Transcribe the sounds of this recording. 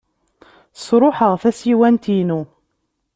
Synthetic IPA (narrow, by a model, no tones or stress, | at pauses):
sɾˤoħəʁθæsiwænt̪inu